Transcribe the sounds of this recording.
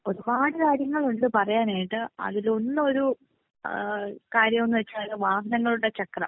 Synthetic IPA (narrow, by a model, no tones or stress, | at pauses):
o̞ɾubaːɽikaːɾjɐŋːɐɭuɳɖɨpɐrɐjaːnaːjiʈːɨɐ̰ðilo̞nːɨo̞ɾu | kaːɾjɐmo̞nːɨʋɐt͡ɕːaːɭðɨʋaːɦɐnɐŋːɐɭuɽet͡ɕɐkrɐ̰m